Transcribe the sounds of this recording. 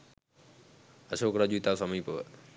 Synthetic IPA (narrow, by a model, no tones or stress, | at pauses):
əsoːkɾaːd͡ʒuːt̪aːsəmĩːpo